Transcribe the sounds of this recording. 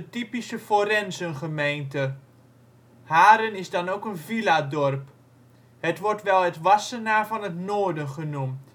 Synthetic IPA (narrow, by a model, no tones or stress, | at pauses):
ətipisəforɛnzənχəmejntə | haːɾənɪsdɑnokənviladɔrp | hətʋɔɹtʋɛlˠətʋɑsənaːɹvɑnətnoːɹdənχənumt